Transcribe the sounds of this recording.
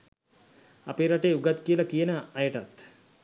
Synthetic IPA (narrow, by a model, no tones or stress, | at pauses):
a̰peɾaʈeːuɡat̪kijəlakijənəajəʈat̪